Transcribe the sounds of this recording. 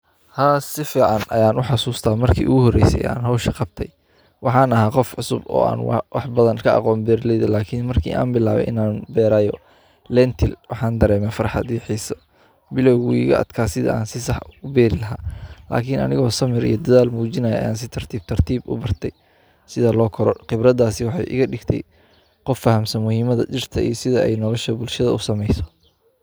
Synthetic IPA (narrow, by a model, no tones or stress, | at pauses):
haːsɪfiːʕɑnɐjaːnʊħɑsuːst̪ʰaːmɐrkʰḭːʔʊɣʊɦɔrɛjsɛ̰ja̰ːnɦɔwʃɐqɑb̚t̪ʰɛj | wɑħɑːnɐɦaːqɔfʕʊsʊ̰bɔ̰ːa̰ːnwɑ̰wʔɑħbɐðɐnkʰɐɑ̰qɔːnbɛːɾlɛjðɛlaːkʰɪnmɐrkʰḭːʔa̰ːnbɪlaːβɛ̰ʔɪ̰naːnbɛːɾaːjɔ | lɛnt̪ʰɪlwɑħɑːnd̪ɐɾɛːmɛfɐɾħɑ̰d̪jɛħiːsɔ | bɪlɔwɣuḭɣɐ̰ʔɐ̰d̪kʰaːsɪðɐ̰a̰ːnsɪsɑħʊbɛːɾɪlɐɦaːla̰ːkʰɪnɐ̰nɪɣɔːsɐmɪɾḭjɞd̪ɐðaːlmuːt͡ʃɪnɐjɐ̰jaːns̬ɪt̪ʰɐr̥t̪ʰiːb̚t̪ʰɐrt̪ʰiːbʊ̰bɐrt̪ʰɛj | sɪðalɔːkʰɔɾɔqɪbɾɐðaːsɪwɑħɑ̰jʔɪ̰ɣɐɖɪɡt̪ʰɛ̰j | qɔfːɐhɐmsɐnmʊhiːmɐðɐ̰t͡ʃɪrt̪ʰɐḭjɔsɪðɐɛ̰jnɔlɔʃɐbʊlʃɐðɐʊsɐmɛjsɔ̥